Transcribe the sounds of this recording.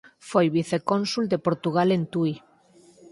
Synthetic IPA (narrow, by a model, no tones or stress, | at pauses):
fojβiθekonsuld̪epoɾt̪uɣ̞alent̪ui